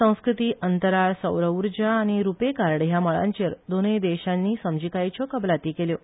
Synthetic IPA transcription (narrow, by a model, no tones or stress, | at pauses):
ə̃w̃skɾut̪iːʔənt̪əɾaɭsəwɾəuɾd͡ʑaːñiɾupekaɾɽjaməɭa̰ɲt͡ɕəɾd̪onejd̪eɕãnːiːsəmd͡ʑikajt͡ɕɔkəblat̪iːkeljo